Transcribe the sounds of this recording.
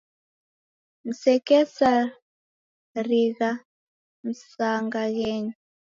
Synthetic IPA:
n̩sɛkɛsa | riɣa | m̩saŋɡaɣɛɲ

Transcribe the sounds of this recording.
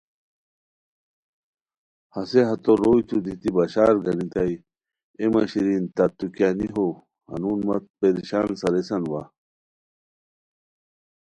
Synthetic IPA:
hɐseɦɐt̪oɾoːjt̪ʰud̪it̪ibɐɕaːɾɡɐnit̪aj | emɐɕiɾint̪ɐt̪ukaːniɦo | hɐ̰nunmɐt̪̚peɾiɕaːnsɐɾesɐnwa

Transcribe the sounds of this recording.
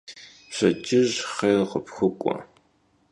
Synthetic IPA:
ɕɐt͡ʃʼɪʑχeqəpxʷʊkʷʼɔ̰

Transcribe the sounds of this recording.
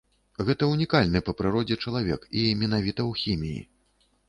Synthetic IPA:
ɣɛt̪ɐunʲikalʲnɨpɐpɾɨɾɔd͡zʲɛt͡ʂɐlˠavʲɛ̰kimʲɛnavʲit̪ɐwxʲimʲijḭ

